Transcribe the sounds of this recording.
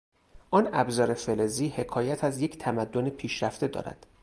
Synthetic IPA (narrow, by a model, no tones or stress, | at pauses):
ʔɒːnæbzɒːɾe̞feleziːhe̞kʰɒːjæt̪ʰæzje̞cʰt̪ʰæmæd̪ːonepʰiːʃɾæft̪e̞d̪ɒ̰ːɾæ̰d̪̥